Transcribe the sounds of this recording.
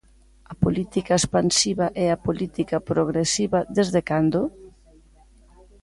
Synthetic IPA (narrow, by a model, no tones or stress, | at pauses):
ɐpolit̪ikɐespansiβɐʔɛapolit̪ikɐpɾoɣ̞ɾesiβɐðezðekand̪o